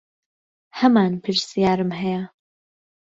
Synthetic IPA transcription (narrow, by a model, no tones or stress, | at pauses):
hɐmaːnpʰɨɾsijaːɾɨmɦɛjɛ